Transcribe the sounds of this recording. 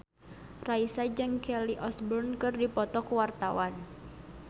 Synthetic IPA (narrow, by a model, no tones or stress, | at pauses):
raisad͡ʒɨŋkɛliʔɔsbɔrnkɨrdipɔt̪ɔkuwart̪awan